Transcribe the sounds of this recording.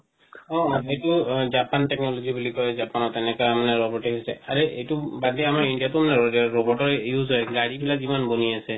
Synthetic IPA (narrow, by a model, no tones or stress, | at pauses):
ɔ̃ejtʊzapantɛknɔlozibulikɔjzapanɔtɛnɛkɔamanɛɹɔbɔɹʈɔɦisɛ̰aɹeejtubadɛamaɹindijatʊmanɛɹobɔɹʈɔɹjuzɔjɛɡaɹibilazimanboniasɛ